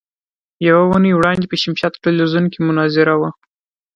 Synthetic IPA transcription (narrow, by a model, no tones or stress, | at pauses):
jawawunəjwɽɑnd̪epəʃɪmʃat̪ʈelizunkemʊnɑzɪɾawa